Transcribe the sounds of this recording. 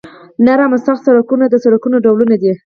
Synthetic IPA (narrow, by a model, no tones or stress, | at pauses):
naɾamasɑχsaɾakunad̪əsaɾakunoɖawlunad̪i